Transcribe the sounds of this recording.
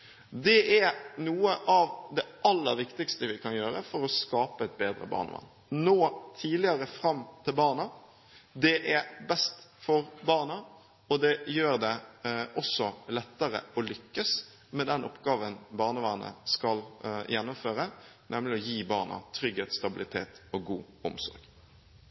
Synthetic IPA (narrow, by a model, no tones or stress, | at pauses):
d̪ɛʔænuːəʔɑʋd̪ɛʔɑlːəɾʋɪkt̪ɪkst̪əʋɪkʰɑnjøːɾəfɔɾɔskɑːpəɛt̪̚beːd̪ɾə̰bɑ̰ːʁnə̰ʋɑ̰nː | noːt̪ʰiːlɪəɾəfɾɑmːt̪ʰɪlbɑːnə | d̪ɛʔæbɛst̪fɔɾbɑːʁnə | ɔd̪ɛjøːɾd̪ɛʔɔsːɔlɛt̪ːəɾə̰ɔlʏkːəs | mɛd̪ɛnʔɔpɡɑːʋənbɑːʁnəʋɑnə̰skɑljɛnːʊmføːɾə | nɛmlɪɔjiːbɑːʁnə̰t̪ʰɾʏɡheːt̪st̪ɑbɪlɪt̪ʰḛːt̪ɔɡuːɔ̰msɔ̰ɾɡ̥